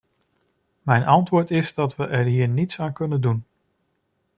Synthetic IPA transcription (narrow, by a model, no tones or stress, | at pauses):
mɛjnɑntʋʊːɹtɪzdɑtʋəʔɛɹɦiːɹnitsaːnkɵnəndun